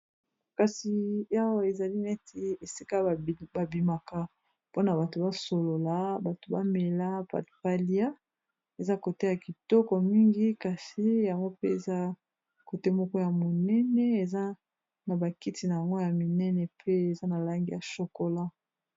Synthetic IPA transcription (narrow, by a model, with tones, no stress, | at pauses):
ka˨si˨ja˦wa˦e˨za˨li˦nɛ˦tʰi˨e˨si˦ka˦˨ba˨bi˨ma˨ka˦ | po˦na˨ba˨to˨ba˦so˨lo˨la˨˦ba˨to˨ba˦me˨la˦pa̰˨tfa˦li˦a˦ | e˨za˦ko˨te˦ja˨ki˨tɔ˦kɔ˨mi˦ŋɡi˦ka˨si˦ja˨ŋɡo˦pe˦e˨za˦ | ko˨te˦mɔ˦kɔ˦ja˨mo˨nɛ˦nɛ˦e˨za˦ | na˨ba˨ki˦ti˨na˨ja˨ŋɡo˦ja˨mi˨nɛ˦nɛ˨pʰe˦e˨za˦na˨la˦ŋɡi˦ja˨so˨ko˨la˦